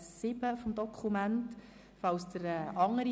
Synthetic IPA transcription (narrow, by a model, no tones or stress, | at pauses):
sɪbəfomd̪ɔkʰχumænt | fɑwsd̪̥əɾɛʔɑŋːəɾi